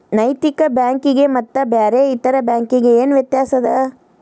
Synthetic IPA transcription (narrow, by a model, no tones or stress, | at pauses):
nɐjt̪ikɐbjaːŋkiɡe̞mɐt̪ːɐbeːɾeit̪ɐɾɐbjaːŋkiɡe̞eːnʋjɐt̪jaːsɐd̪ɐ